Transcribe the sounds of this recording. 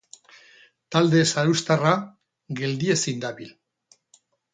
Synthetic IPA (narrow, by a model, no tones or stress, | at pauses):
t̪ald̪e̞saewst̪ara | ɡe̞ld̪iesind̪aβil